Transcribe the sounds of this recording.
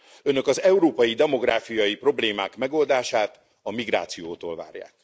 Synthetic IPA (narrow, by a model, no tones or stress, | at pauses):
ø̞nø̞kɒzɛuɾoːpɒjid̪ɛmo̞ɡraːfijɒjipro̞bleːmaːkmɛɡo̞ld̪aːʃaːt̪ | ɒmiɡra̰ːt̪sijoːt̪oːlva̰ːrja̰ːk̚